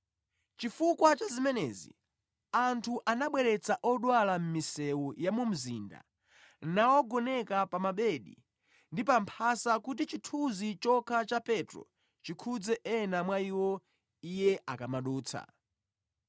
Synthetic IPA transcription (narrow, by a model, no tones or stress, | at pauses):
t͡ʃifukwat͡ʃazimɛnɛ̰ːzḭ | antʰuʔanaɓwɛɾɛt͡saʔɔɗwalam̩misɛwujamum̩zḭːnda̰ | nawɔɡɔnɛkapamaɓɛɗḭ | ndipampʰasakut̬it͡ʃitʰuzit͡ʃɔkʰat͡ʃapɛtɾɔ̰ | t͡ʃikʰud͡zɛʔɛnamwaiwɔ | ijɛʔakamaɗuːt͡sʰa̰